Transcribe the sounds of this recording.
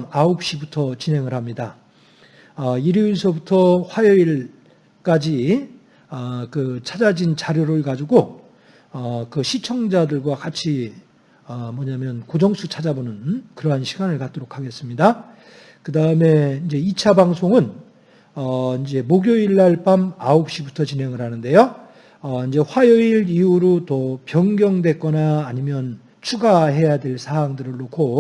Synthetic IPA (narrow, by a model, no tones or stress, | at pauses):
aop̚ɕ͈ibutʰʌt͡ɕinɦe̞ŋɯɭhamɲida | ʌiɾiinsʰʌbutʰʌɸwajʌiɭ | k͈ad͡ʑi | ʌkɯt͡ɕʰad͡ʑad͡ʑint͡ɕaɾjoɾɯɭkad͡ʑuɡo | ʌkɯɕʰit͡ɕʰʌŋd͡ʑadɯɭɡwakat͡ɕʰi | ʌmʌɲamjʌnkod͡ʑʌŋsʰut͡ɕʰad͡ʑabonɯnkɯɾʌɦanɕʰiɡanɯɭkat̚t͈oɾokʰaɡe̞s͈ɯmɲida | kɯdaɯme̞ind͡ʑe̞it͡ɕʰabaŋsʰoŋɯn | ʌind͡ʑe̞moɡjoiɭːaɭp͈amaop̚ɕ͈ibutʰʌt͡ɕinɦe̞ŋɯɾɦanɯnde̞jo | ʌind͡ʑe̞ɸwajʌiɾiuɾotʌpjʌŋɡjʌŋdwe̞k͈ʌnaːɲimjʌn | t͡ɕʰuɡaɦe̞jadwe̞ɭsʰaaŋdɯɾɯɭːokʰo